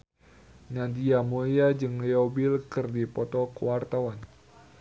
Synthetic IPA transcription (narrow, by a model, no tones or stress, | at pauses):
nadiamojad͡ʒɨŋliobilkɨrdipɔt̪ɔkəwart̪awan